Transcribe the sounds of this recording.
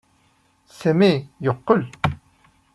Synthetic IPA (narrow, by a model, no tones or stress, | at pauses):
sæmijoqːəl